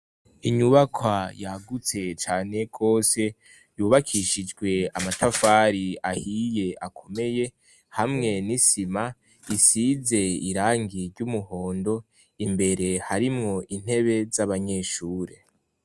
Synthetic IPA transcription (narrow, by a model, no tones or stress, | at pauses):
iɲuβakʰwajaɡut͡se̞t͡ʃaːne̞ɡ̥o̞ːse̞ | juːβakʰiʃid͡ʒɡwe̞amatafaːɾiahije̞akʰo̞me̞je̞ | hamŋe̞nisima | isize̞iɾaːŋɡiɾɟumuho̞ːndo̞ | imbe̞ɾe̞haɾimŋo̞ʔin̥he̞βe̞zaβaɲe̞ːʃuːɾe